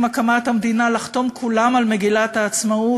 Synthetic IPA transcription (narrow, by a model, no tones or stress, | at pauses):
makamathamd̪inalaχt̪o̞mkʰulamalmeɡilataːt͡smau